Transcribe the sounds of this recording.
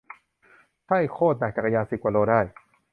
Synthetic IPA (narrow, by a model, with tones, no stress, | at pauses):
t̪ʰa˥˩jkʰoː˥˩t̪̚naː˨˩t͡ɕa˨˩ka˧jaː˧si˨˩p̚kaː˨˩loː˧daː˥˩j